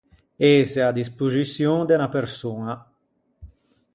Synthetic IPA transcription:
ezead̪ispuzisjoŋd̪enapeɾsoːna

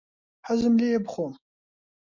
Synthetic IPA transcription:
ħazɨmlijɛbχʷom

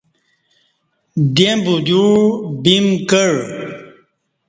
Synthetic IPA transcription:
d̪embud̪uɻbimkəɻ

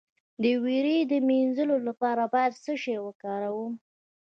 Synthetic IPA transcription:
d̪əwiɾid̪əminzəlolapɑɾabɑjad̪səʃewəkɑɾawum

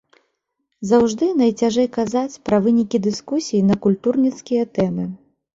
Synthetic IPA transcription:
zawʐd̪ɨn̪ɐjt͡sʲaʐɛjkazat͡sʲpɾɐvɨnʲikʲid̪ɨskusʲijinɐkulʲt̪urnʲit̪skʲijɐt̪ɛmɨ

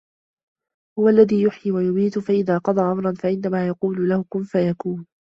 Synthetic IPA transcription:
hʊwalːaðiːjʊħjiwajʊbiːt̪ʊfaʔɪðaːqɑd̪ˤɑːʔamɾˤɑnfaʔɪnːamaːjɑquːlʊlahʊkʊnfajakuːn

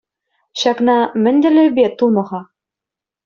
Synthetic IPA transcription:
ɕæknɑmɘ̆nd̪ɘ̆lɘ̆bet̪ːulˠmɤ̆ʁɑ

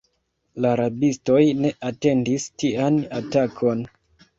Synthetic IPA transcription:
laɾabisto̞jne̞ʔate̞ndistianatakʰo̞n

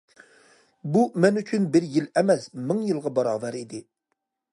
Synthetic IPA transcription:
bumɛnyt͡ʃʰynbɪɾjilɛmɛsmɪŋjɨlˠʁɑbɑɾɑːvɛɾid̪ɪ

